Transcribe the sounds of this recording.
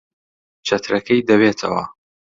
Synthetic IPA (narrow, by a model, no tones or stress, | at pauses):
t͡ʃʰɐt̪ʰɾɐkʰɐjd̪ɐweːt̪ʰɐ̰wɐ̰